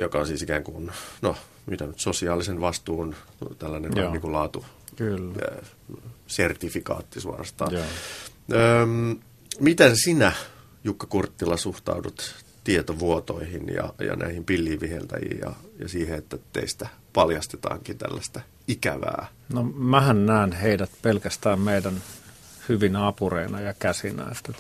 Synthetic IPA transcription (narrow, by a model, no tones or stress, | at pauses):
jokɑonsiːsikæːŋkunno | myt̪ænyt̪sosiɑːlisenʋɑst̪uːn | t̪ælːænenniːŋkulɑːt̪uk | sert̪ifikɑ̰ːt̪ːisuɑ̰rɑst̪ɑ̰ː | øːm | mit̪ensinæ | jukːɑkurt̪ːilːɑsuht̪ɑ̰udut̪ | t̪iet̪oʋuot̪o̰ihinjɑ̰jɑ̰nʔæ̰ihimpilːiːʋʋihḛlt̪æ̰jḭːjjɑ̰jɑsiːheet̪ːæt̪ːḛist̪æ | pɑljɑst̪et̪ɑ̰ːŋkint̪æ̰lːæst̪æ | ikæ̰ʋæ̰ː | nomæhænnæːnheidæt̪̚pelkæst̪æːmmeidæn | hyʋinɑːpureinɑjɑkæsinæ̰ːst̪et̪